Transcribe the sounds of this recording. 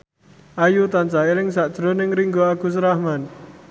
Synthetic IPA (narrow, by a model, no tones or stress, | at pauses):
ʔajut̪ant͡ʃaelɪŋsaʔd̥ʒ̥ɾonɪŋɾiŋɡɔaɡ̥ṳs̬ɾahman